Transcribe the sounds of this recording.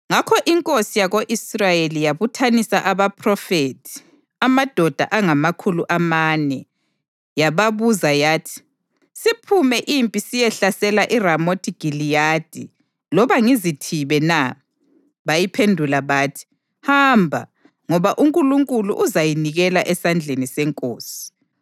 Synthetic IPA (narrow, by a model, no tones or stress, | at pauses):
ŋakʰɔʔiŋkʼosijaɣoʔisrajelijaβutʰanisaʔaβapʰrɔfeːtʰi̥ | amad̥ʱɔd̥ʱa̰ʔaŋamakʰuluʔamaːnɛ | jaβaβuzajaːtʰi̥ | sipʰumɛʔimpʼisijɛɬasɛlaʔiramotʰiɡ̥ʱilijad̥ʱḭ | lɔβaŋizitʰiβɛna | βajipʰendʱulaβaːtʰi̥ | hambʱa̰ | ŋɔβaʔuŋkʼuluŋkʼulṵʔuzajiniɣɛlaʔɛsand͡ɮʱenisɛŋkʼoːsi̥